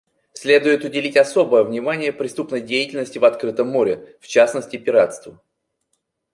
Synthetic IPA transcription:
sʲlʲe̞d̪ʊjɪt̪ʊdʲɪlʲitʲɐso̞bəjəvnʲɪmanʲɪjəpɾʲɪst̪upnəjdʲejɪtʲɪlʲnəsʲtʲɪvɐt̪kɾɨt̪əmːoɾʲɪft͡ɕasnəsʲtʲɪpʲɪɾat̪st̪və

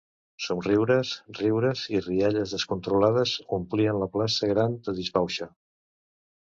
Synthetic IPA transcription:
sonriwɾəsriwɾəziriaʎəzðəskunt̪ɾulaðəzumpliənləplasəɣ̞ɾand̪əðizβawʃə

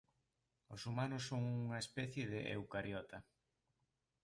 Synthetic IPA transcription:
osumanʊsːoŋuŋɐespɛθjeðɪʔḛwkaɾjɔt̪ʰɐ

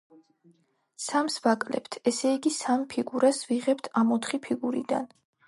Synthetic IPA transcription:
samsvakʼlɛ̰pt̪ʰɛsɛiɡisampʰiɡuɾasviʁɛp̚t̪ʰamɔt̪χipʰiɡuɾḭd̪a̰n

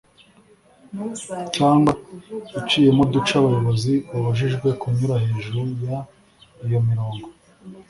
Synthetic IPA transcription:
t͡ʃaːŋɡwaut͡ʃiːjemodut͡ʃaβajo̞βo̞ziβuβaʒiʒɡwe̞kuɲuɾahe̞ːʒuɾuja | ijo̞miɾo̞ːŋɡo

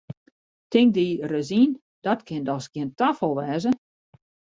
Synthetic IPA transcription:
tɪŋk̚dirəzin | d̥ɔtkʰɪndɔsɡiəntafəlˠʋɛːzə

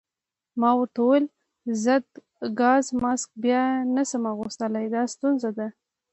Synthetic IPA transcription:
mɑwəʈ̪owəl | zəd̪ | ɡɑzmɑsk̚bjɑnasəmɑɣust̪əlajd̪ɑst̪unzad̪a

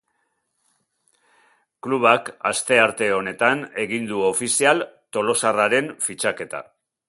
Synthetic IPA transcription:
kluβ̞aka̰st̪e̞aɾt̪e̞o̞ne̞t̪ane̞ɣind̪uo̞fisialt̪o̞lo̞saraɾe̞nfit͡ʃake̞t̪a̰

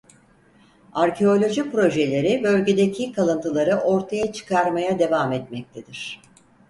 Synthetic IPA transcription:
aɾcʰe̞o̞lʲo̞ʒipɾo̞ʒe̞lʲe̞ɾɪbø̞lʲɟʲe̞d̪ecʰikʰalˠɯnt̪ʰɯlˠaɾɯʔo̞ɾt̪ʰajat͡ʃʰɯ̥kʰaɾmajad̪e̞vaːmɛt̪mɛc̚t̪ʰed̪iɾ̝̥

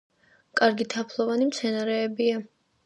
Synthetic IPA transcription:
kʼaɾɡit̪ʰapʰlˠɔvanimt̪sʰɛnaɾɛːbia

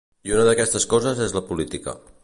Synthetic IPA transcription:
iunəðəkɛst̪əskɔzəzezləpulit̪ikə̰

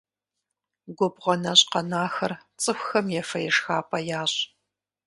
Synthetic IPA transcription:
ɡʷɔbʁɐnɐɕʼqɐnaːxɐrt͡sʼɨxʷxɐmjɛfɐjɛʂxaːpʼɐjaːɕʼ

